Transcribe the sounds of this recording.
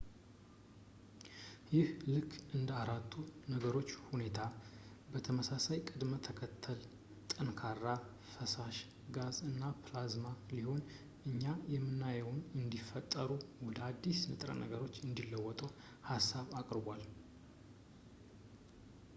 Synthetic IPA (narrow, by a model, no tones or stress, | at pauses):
jɪhlɨkʰːʔɨnd̪əaɾat̪ʰːunəɡəɾo̞t͡ʃːhune̞t̪ʰa | bət̪ʰəməsasajkʼɨd̪mət̪ʰəkʰət̪ʰːəl | t̪ʼɨnkʰarːa | fəsaʃ | ɡazɨnːaplazmaliho̞n | ʔɨɲːajɛmːɨnːajəwnɨnd̪ifːət̪ʼːəɾuwɔd̪əad̪ːisnɨt̪ʼɾə̰nə̰ɡəɾo̞t͡ʃːɨnd̪ilːəwːɔt̪ʼəw | hasːaβakʼɾɨbʷal